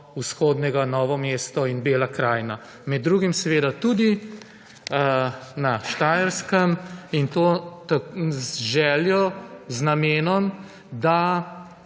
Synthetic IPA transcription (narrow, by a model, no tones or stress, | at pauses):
usxoːd̪nɛɡanɔːʋɔmeːst̪ɔinbeːlakɾaːjna | mɛd̪ːɾuːɡimsɛʋeːd̪at̪ud̪i | naʃt̪aːjəɾskəmint̪oːt̪a | ʒɛːljɔznameːnɔm | d̪a